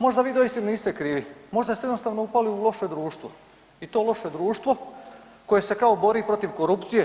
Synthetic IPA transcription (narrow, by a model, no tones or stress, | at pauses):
mo̞ʒd̪aʋiːd̪o̞jist̪imniːst̪e̞kɾiːʋimo̞ʒd̪ast̪eed̪nost̪aːʋnoupaliulˠo̞ʃed̪ɾuːʃt̪ʋo̞ | it̪o̞ːlˠo̞ʃed̪ɾuːʃt̪ʋo̞ | ko̞jese̞kaobo̞ɾiːpɾo̞t̪iʋko̞ɾupt̪sije